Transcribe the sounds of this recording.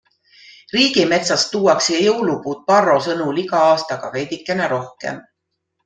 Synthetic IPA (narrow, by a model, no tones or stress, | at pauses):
riːɡ̥ime̞t̪sɑst̪ːuːwɑksjɑjɤwlupuːt̪̚pɑrːo̞sɤnuliɡɑɑːst̪ɑɡ̥ɑ̰ve̞jd̪ʲikːˑe̞neɾo̞hkḛm